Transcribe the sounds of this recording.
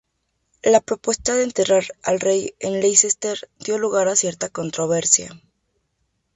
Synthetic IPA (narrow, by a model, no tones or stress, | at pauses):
lapɾopwe̞st̪aðeːnt̪e̞raɾa̰lre̞jenlejsest̪eɾd̪jo̞luɣaɾasje̞ɾt̪ako̞nt̪ɾo̞β̞e̞ɾsja